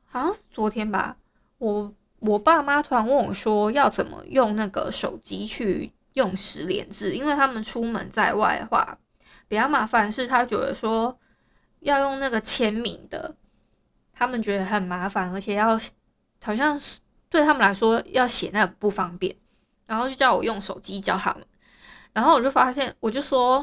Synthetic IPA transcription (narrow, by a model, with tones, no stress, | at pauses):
hɑ˨ʊɕjɑ˥˧ŋʂɻ̩˥˩t͡swɔ˧˥t̪ʰjɛ˥nba̰˨ | wɔ˨˩ | wɔ˨˩pa˥˩ma˦t̪ʰwa˧˥nwɑ˥˩ŋ˩ʂwɔ˥jɑ˥˩ʊt͡sə˨˩nmə̰˦jʊ˥˧ŋna˥˩ɡə̰˩ʂo˨˩ʊt͡ɕi˦˥t͡ɕʰy˥˧ | jʊ˥˩ŋʂɻ̩˧˥ljɛ̰˧˥nt͡sɹ̩˥˨˩i˥nwe˥˩ɪt̪ʰa˦˥mə˨nʈ͡ʂʰu˥mə̰˧˦nt͡sa˥˧ɪwa̰˥˩ɪd̪ə̰˩xwa̰˥˩ | pu˨˩t͡ɕɑ˥˩ʊma˧˥fa˧˦nʂɻ̩˥˩t̪ʰa˥t͡ɕjɛ˨˧˥d̪ə̰˧˦ʂwɔ˥ | jɑ˥˧ʊjo˥˧ŋna˥˩ɡə˩t͡ɕʰjɛ˥nmḭ˨˩˦ŋd̪ə̰˩ | t̪ʰa˥mə˨nt͡ɕɥɛ˧˥d̪ə˧xə˨˩nma˧˥fa˧˦nə˧˥t͡ɕʰɛ˨˩jɑ˥˩ʊ | hɑ˨˩ʊɕ̬jɑ˥˧ŋ | t̪we˥˩ɪt̪ʰa˥mə˨nla˧˥ɪʂwɔ˥jɑ˥˩ʊɕjɛ˨˩na˥˩ə˩pu˥˩fɑ˦˥ŋpjɛ̰˥˩n | ɻa˨˧nxo˥˧ʊt͡ɕjo˥˩t͡ɕjʊwɔ˨˩jo˥˩ŋʂo˨˩ʊt͡ɕi˦t͡ɕjɑ˥˩ʊt̪ʰa̰˥mə˨n | ɻa˧nxo˥˩wɔ˨˩t͡ɕjo˥˩fa˥ɕjɛ˥˨nwɔ˨˩t͡ɕjo˥˩ʊʂwɔ˦˥